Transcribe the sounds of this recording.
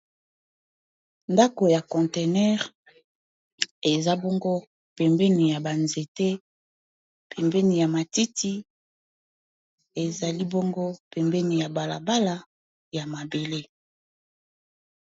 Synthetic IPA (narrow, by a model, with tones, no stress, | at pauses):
nda˦ko˨ja˨kɔ̃˨nte˨nɛ˦ʁ | e˨za˦bo˦ŋɡo˦ | pɛ˨mbɛ˦ni˨ja˨ba˨nze˨tɛ˦ | pʰɛ˨mbɛ˦ni˨ja˨ma˨ti˦ti˦ | e˨za˨li˦bo˦ŋɡo˦pɛ˨mbɛ˦ni˨ja˨ba˨la̰˨ba˦la˨ | ja˨ma˨be˨le˦